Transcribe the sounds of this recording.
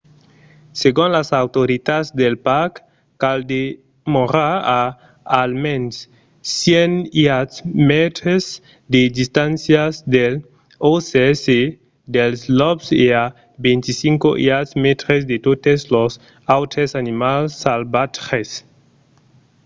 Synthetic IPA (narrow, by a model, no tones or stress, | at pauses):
seɡũnlasawt̪oɾit̪azd̪elpaɾkː | ald̪e | moɾaa | almẽnsː | jeniat̪smɛt̪ɾez | d̪ed̪ist̪ãnsjazd̪el | oseɛse | d̪elzlɔbsea | bẽnt̪isiŋkoʔḭatsmet̪ɾezd̪et̪ot̪ezlos | awt̪esanimalsːalbat̪ɾes